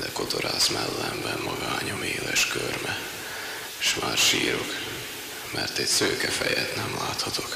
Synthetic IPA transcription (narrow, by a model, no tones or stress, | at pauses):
d̪ɛkot̪oɾaːsmɛlːɛmbɛmːɒɡaːɲomeːlɛʃkørmɛ | ʃʋaːrʃiːɾok | mɛrt̪ɛcsøːkɛfɛjɛt̪nɛmlaːt̪hɒt̪o̞k